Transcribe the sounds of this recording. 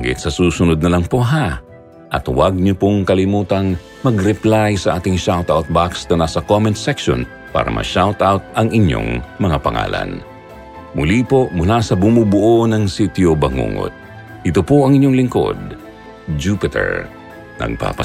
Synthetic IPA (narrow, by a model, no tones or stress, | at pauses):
ɡɪ̰t̪sɐsuːsʊnod̪̚nɐlɐŋpoʔɦa | ʔɐt̪waɡ̚ɲopoŋkɐlɪmuːt̪ɐŋ | mɐɡɾɛplajsɐʔaːt̪ɪŋʃawt̪awt̪̚baksnɐnasɐkomɛnt̪sɛkʃo̰n | pa̰ːɾɐ̰mʔɐ̰ʃawt̪awt̪̚ɐŋɪɲo̰ŋmɐŋapɐŋa̰ːlɐ̰n | mʊlipomʊlasɐbʊmubʊʔonɐŋsit̪jobɐŋṵŋo̰t̪̚ | ʔɪt̪opoʔɐŋɪɲːoŋlɪŋko̰d̪̚ | d͡ʒuːpɪt̪ɛ̰ɹ | nɐ̰ɡ̚pa̰ːpɐ